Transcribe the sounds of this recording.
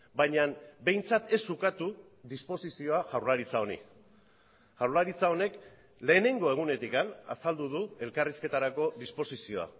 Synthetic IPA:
bajɲanbe̞jnt͡sat̪e̞sːukat̪u | ðispo̞sisio̞aʝawɾlaɾit͡sao̞nḭ | ʝawɾlaɾit͡sao̞ne̞k | le̞ːne̞ŋɡo̞e̞ɣ̞une̞t̪ikana̰sald̪uð̞ue̞lkariske̞t̪aɾako̞ðispo̞sisio̞a̰

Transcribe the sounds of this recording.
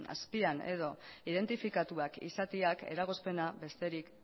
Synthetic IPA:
a̰spiane̞̰ð̞o̞iðe̞nt̪ifikat̪uakḭsat̪iake̞̰ɾaɣo̞spe̞naβe̞st̪e̞ɾik

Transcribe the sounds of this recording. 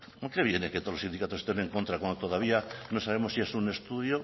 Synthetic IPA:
okeβjeneket̪olosind̪ikat̪ose̥st̪eneŋko̞nt̪ɾakwand̪ot̪oðaβianosaβ̞emossie̞sune̞st̪uðjo

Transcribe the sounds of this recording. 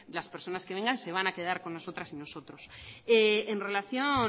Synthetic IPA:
laspe̞ɾso̞naskee̞ŋɡanse̞β̞anake̞ðaɾko̞nːoso̞t̪ɾasino̞so̞t̪ɾo̞seenre̞laθjo

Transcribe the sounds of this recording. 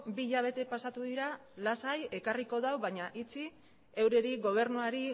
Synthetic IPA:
biʎaβ̞e̞t̪e̞pasat̪uðiɾalasaje̞kariko̞ðawβajɲaʔit͡si | e̞wɾe̞ɾiɣo̞β̞e̞ɾnuaɾi

